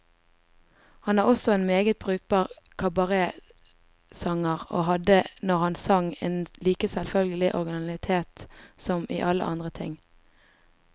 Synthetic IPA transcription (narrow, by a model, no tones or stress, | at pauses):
hɑnʋɑːʁɔsɔeːnmeːɡət̪̚bʁʉːk̚bɑːʁ | kʰɑbɑʁeː | sɑŋəʁo̰ːɦɑd̪ənɔʁhɑnsɑŋeːnliːkəsɛlfœlɡəlɪʔɔʁɡɪnɑlɪt̪ʰeːt̪sɔmḭːʔɑlə̰ʔɑ̰nd̪ʁət̪ʰɪŋ